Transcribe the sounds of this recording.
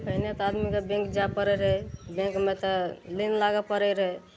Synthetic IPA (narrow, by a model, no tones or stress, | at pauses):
pəinet̪ad̪mikebẽŋkd͡ʒapəɾɛɾəɦebẽŋkmet̪ɔlinlaɡəpəɾɛɾɦɛ